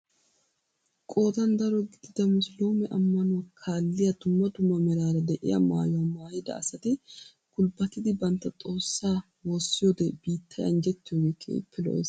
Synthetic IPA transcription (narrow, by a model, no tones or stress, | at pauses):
kʼo̞ːt̪ɐnd̪ɐɾɔɡɪd̪ɪd̪ɐmʊslo̞ːmɛʔɐmːɐnɔwɐkʰaːlːɪjɐd̪ʊmːɐd̪ʊmːɐmɛɾaːɾɐd̪ɛʔɪ̰jɐ̰ma̰ːjʊwɐmaːjɪd̪ɐ̰ɐsɐt̪ɪ | kʊlbɐt̪ːɪd̪ɪbɐnt̪ːɐt̪ʼo̞ːsːaː | wosːɪjoːd̪ɛb̥iːt̪ʰːɐjɐnd͡ʒɛt̪ːɪjoːɡeːkʰḛːɪ̰pʰːɛlɔ̰ʔḛːs